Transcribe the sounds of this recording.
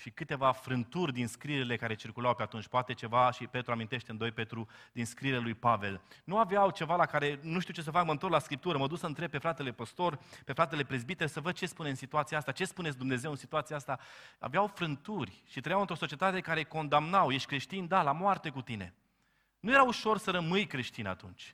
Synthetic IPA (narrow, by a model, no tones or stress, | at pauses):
ʃikɨt̪e̞vafɾɨnt̪urʲd̪inskɾiɾele̞kaɾe̞t͡ʃirkulawpeat̪unt͡ʃʲpoat̪e̞t͡ʃe̞vaʃipe̞t̪ɾuamint̪eʃt̪eɨnd̪o̞jpe̞t̪ɾud̪inskɾiɾlelujpave̞lnuaveawt͡ʃe̞valakaɾe̞nuʃt̪iuwt͡ʃe̞s̬əfakməɨnt̪oɾlaskɾip̚t̪uɾəməd̪usəɨnt̪ɾe̞b̚pe̞fɾat̪e̞le̞pəst̪o̞rpe̞fɾat̪e̞le̞pɾezbit̪eɾsəvəd̪̚t͡ʃe̞spunesit̪uat̪sijaast̪at͡ʃe̞spunes̬ʲd̪umne̞zewɨnsit̪uat̪siaast̪aa̰veawfɾɨnt̪urʲʃit̪ɾəjawɨnt̪ɾo̞so̞t͡ʃiet̪at̪e̞kaɾe̞ko̞nd̪amnawjeʃt̪̚ʲkɾe̞ʃt̪ind̪alamoart̪e̞kut̪ine̞̰ | nuje̞ɾauʃo̞rsəɾəmɨjkɾe̞ʃt̪ina̰t̪unt͡ʃʲ